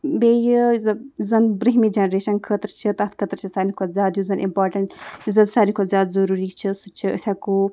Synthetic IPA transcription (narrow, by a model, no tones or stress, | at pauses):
bejɨzzɐnbɾiɦmid͡ʒɐnɾeʃɐnkʰət̪ɾt͡ʃʰit̪ɐt̪ʰkʰət̪ɾt͡ʃʰisaːnikʰozʲaːd̪juzɐnʔḭmpaːɾʈɐɳʈjuzɐd̪saːɾnʲikʰozʲaːd̪zɐɾuːɾit͡ʃʰisut͡ʃʰiə̰sʲaku